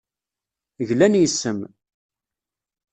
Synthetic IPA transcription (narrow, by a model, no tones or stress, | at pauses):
əʝlænjəsːəm